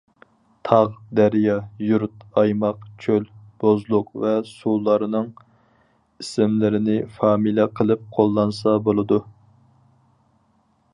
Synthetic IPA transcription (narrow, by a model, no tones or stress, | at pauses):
t̪ʰɑʁd̪æɾjɑjuɾt̪ɑjmɑqt͡ʃʰølb̥ozlˠʊqvɛsulˠːɑɾɨnɨŋ | isɪmlɪɾɪnɪfɑːmilɛqʰəlˠɨp̚qʰolˠːɑnsɑbolˠɨd̪u